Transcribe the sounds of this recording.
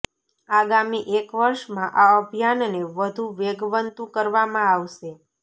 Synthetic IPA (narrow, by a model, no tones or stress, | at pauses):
aɡamiʔekʋəɾʃmãʔaəbʱjanneʋəd̪ʱuʋeɡʋənt̪ũkəɾʋamãaʋʃe